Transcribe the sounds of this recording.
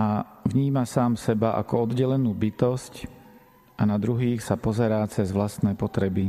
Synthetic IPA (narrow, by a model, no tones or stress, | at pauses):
avɲiːmasaːmsɛbaʔa̰kɔɔd̪ɟɛlɛnuːbit̪ɔsc | ʔanad̪ɾuɦiːxsapɔzɛɾaːt͡sɛzʋlast̪nɛːpɔt̪ɾɛbi